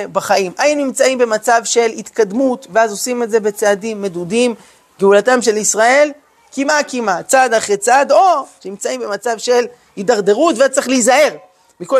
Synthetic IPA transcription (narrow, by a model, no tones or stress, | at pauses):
baχaimʔajinnimt͡saimbe̞mat͡savʃe̞lit̪kad̪mut̪veazo̞simetze̞be̞t͡sead̪imːe̞d̪udim | ɡeulatamʃe̞lisʁae̞l | kimakimat͡sad̪aχʁet͡sad̪o̞ʃnimt͡saimbe̞mat͡savʃe̞l | hid̪aʁd̪e̞ʁut̪veat͡seχlizae̞ʁ | miko